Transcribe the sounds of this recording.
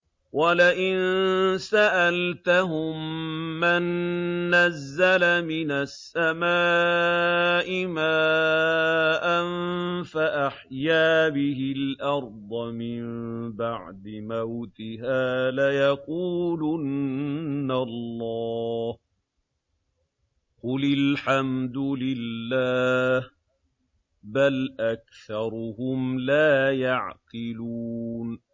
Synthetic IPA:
walaʔɪnsaʔalt̪aɦʊmːanːazːalamɪnasːamaː | ʔɪmaː | ʔanfaʔaħjaːbɪɦɪlʔɑɾˤd̪ˤɑmɪmbaʕd̪ɪmawt̪ɪɦaːlajɑquːlʊnː | alˤːɑːh | qʊlɪlħamd̪ʊlɪlːaːh | balʔak̚θɑɾˤʊhʊmlaːjaʕqɪluːn

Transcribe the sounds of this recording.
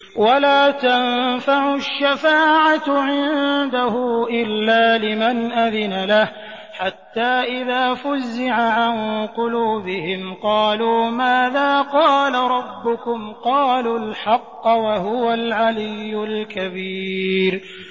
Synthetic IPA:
walaːt̪anfaʕʊʃːafaːʕaʕɪnd̪ahʊʔɪlːaːlɪmanʔaðɪnalah | ħat̪ːaːʔɪðaːfʊzːɪʕaʕanqʊluːbɪhɪmqɑːluːmaːðaːqɑːlaɾˤɑbːʊkʊmqɑːluːlħɑqːwaɦʊwalʕalɪjːʊlkabiːɾ

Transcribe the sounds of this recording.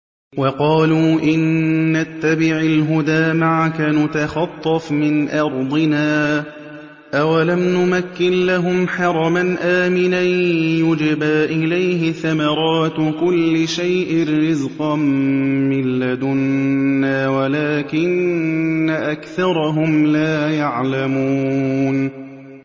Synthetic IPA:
wɑqɑːluːʔɪnːat̪ːabɪʕalɦʊd̪aːmaʕakanʊt̪axɑt̪ˤːɑfmɪnʔɑɾˤd̪ˤɪnaː | ʔawalamnʊmakːɪnlaɦʊmħɑɾˤɑmanʔaːmɪnajʊd͡ʒɪbaːʔɪlajhɪθamɑɾˤɑːt̪kʊlːɪʃajʔɪrːɪzqɑmmɪlːad̪ʊnnːaːwalaːkɪnː | aʔakθɑɾˤɑɦʊmlaːjaʕlamun

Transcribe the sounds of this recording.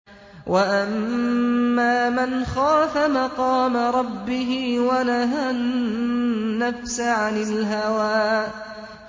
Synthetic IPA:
wʔaʔamː | aːmanxaːfamɑqɑːmaɾˤɑbːɪɦɪwanaɦanː | afsaʕanɪlɦawaːʔ

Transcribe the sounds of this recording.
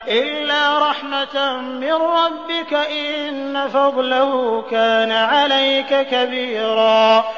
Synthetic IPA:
ʔɪllːaːɾˤɑħma | mɪnɾɑbːɪkaʔɪnːafɑd̪ˤlahʊːkaːnaʕalajkakabiːɾɑː

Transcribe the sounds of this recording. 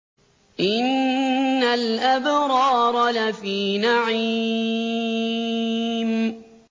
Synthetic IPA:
ʔɪnː | alʔabɾɑːɾˤɑlafiːnaʕi | m

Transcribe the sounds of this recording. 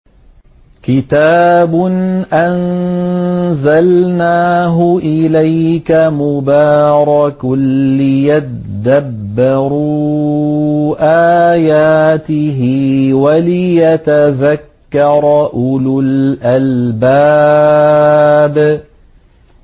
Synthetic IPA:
kɪt̪aːbʊnʔan | zalnaːɦʊʔɪlajkamʊbaːɾˤɑkʊːɪjat | d̪abbːɑɾuː | ʔaːjaːt̪ɪɦɪwalɪjat̪aðakːɑɾˤɑʔʊlʊlʔalbaː | b

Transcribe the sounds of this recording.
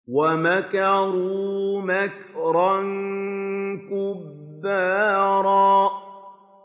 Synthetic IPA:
wamakɑɾuːmakɾˤɑn | kʊbːaːɾˤɑː

